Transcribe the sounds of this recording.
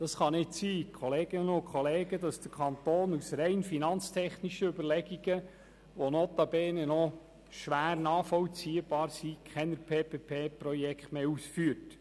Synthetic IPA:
d̥ɑsχɑnɪtsiːkʰoleːɡ̥ɪnəʊkʰχoleːɡ̥ədɑsd̥əɾkʰɑnt̪oːnusɾɛɪnfinɑnt͡stʰɛχniʃəøbəɾlɛɡ̥iɡ̥ə | ʋonot̪ɑbɛːnənɔ | ʃʋæːrnɑːfɔlt͡siːəb̥ɑːɾsikʰχɛnəɾpʰeːpʰeːpʰeːprɔjɛkχtmeːusfyːət

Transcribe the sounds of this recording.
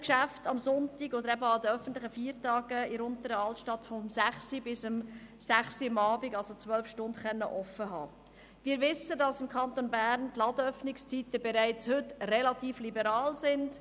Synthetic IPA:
kʃæftɑmsʊntɪɡɔd̪əɾɛbəɑd̪əœfən̩t̪lɪχəfiːɾtɑːɡəɪɾʊntəɾəɑltʃtɑtfɔmsæχsibɪsəmsæχsiɑmɑːbɪɡɑlsot͡svʋœlfʃtʊndχœnːə̰ʔɔfːəɦɑ̰ː | ʋiːɾʋɪsːədɑsɪmkʰɑnt̪onbæːɾntlɑd̪əœfnɪkst͡siːtəbɛɾæɪt͡shʏtrɛlɑt̪iːflibəɾɑːlsɪnd̥

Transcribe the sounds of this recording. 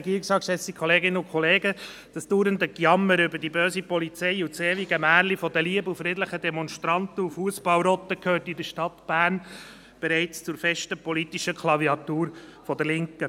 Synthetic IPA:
ɡiːksɑkʃɛsikʰχɔleːɡɪnːəʊkʰχɔleːɡə | d̥ɑsd̥uːɾənd̪əkjɑmːəɾʏbəd̥ibøːsipɔlit͡sɛɪut͡seːʋiɡɛmæːɾlifɔd̪əliəbufɾɪdləχədɛmɔnʃtɾɑnt̪əufuəsb̥ɑlɾɔt̪ːəkʰhøːɾtidəʃtɑt̪b̥æːɾn | b̥ɛɾɛɪt͡st͡sʊɾfɛʃtəpɔlit̪iʃəkʰlɑviɑt̪uːɾfɔd̪əlɪŋkə

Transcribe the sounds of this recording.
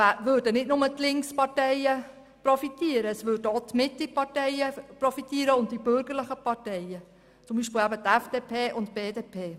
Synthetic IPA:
ʋøːɾdənɪdnʊmətlɪŋkspɑɾtɛɪjə | pɾɔfit̪iəɾəːsʋʏːdəot̪mɪtɪpɑtɛɪəpɾɔfit̪iːəɾəʊnt̚d̥ib̥ʏɾɡ̥əɾləχəpɑɾtɛɪə | t͡sʊmbiːʃpɪlæbət̪ɛfd̥eːpʰeːʔʊnt̚b̥eːdeːpʰeː

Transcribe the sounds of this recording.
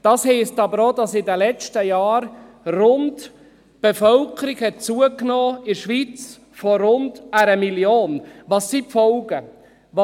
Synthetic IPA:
d̥ɑshɛɪstɑbəɾoːdɑsɪdəlɛt͡ʃtəjɑːɾ | rʊnd | b̥efœlkʰəɾiɡhɛt̚t͡suəknoːɪɾʃʋiːt͡s | fɔɾʊndæɾəmiljoːnʋɑsːipfɔwɡə | ʋɑ

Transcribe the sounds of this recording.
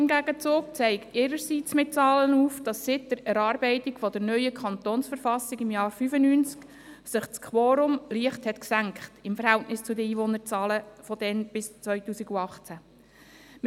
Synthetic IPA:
ɪmɡæɡət͡suːk̚t͡sɛɪktɪːɾəɾsiːt͡smɪt̚t͡sɑːlənuːfd̥ɑsːɪt̚d̪̥əɾɛɾɑːɾbɛɪtɪkfɔd̪əɾnœʏjəkʰɑnt̪oːnsfəɾfɑsɪɡɪmjɑːɾfyfənyːnt͡sk | sɪχt͡skʰχʋoːɾʊmliəχthɛtksæŋkχtɪmfəɾhɛltnɪst͡sʊd̪əiːʋonəɾt͡sɑːləfɔd̥̪ɛnb̥ɪst͡sʋœʏtuːsiɡuɑχt͡sæ | m

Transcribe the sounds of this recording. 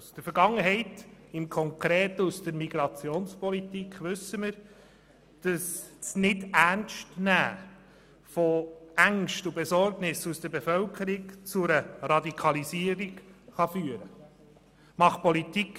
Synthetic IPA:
usd̥əɾfəɾɡɑŋːəɦɛɪtɪmkʰɔŋkɾeːtəusd̥əɾmiɡɾɑt͡sjoːnspɔlitikχʋɵsːəməɾ | d̥əssnɪdæɾnʃtnæː | fɔæŋʃtubɛsɔɾɡnɪsusd̥əɾbefœlkʰəɾikt͡sʊɾəɾɑdikʰɑlisiːəɾiɡχɑfyːəɾə | mɑχpɔlit̪ik

